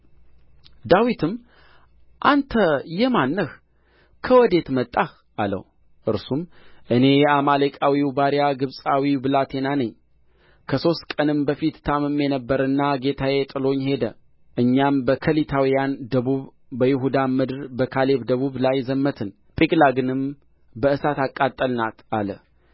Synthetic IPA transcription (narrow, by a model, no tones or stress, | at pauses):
d̪awit̪ʰɨm | ʔant̪ʰəjɛmanːəh | kʰəwɔd̪e̞t̪mət̪ʼːah | ʔalə̰w | ʔɨɾsumʔɨne̞jɛamalekʼawiwbaɾijaɡɨβsʼawibɨlat̪ʰe̞nanəɲː | kʰəso̞st̪kʼənɨmbəfit̪t̪ʰamɨmːjɛnəbːəɾɨnːaɡe̞t̪ʰajet̪ʼɨlo̞ɲːhe̞d̪ə | ʔɨɲːambəkʰəlit̪ʰawijand̪əβuβ | bəjɪɦud̪amɨd̪ɾbəkʰale̞βd̪əβuβlajzəmːət̪ʰɨn | pʼikʼlaɡɨnɨm | bəɨsat̪akʼːat̪ʼːəlnat̪alə